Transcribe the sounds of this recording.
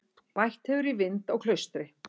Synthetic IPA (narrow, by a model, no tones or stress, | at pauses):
pajht̪hɛvʏɾivɪnt̪aɣkʰlœɥst̪ɾɪ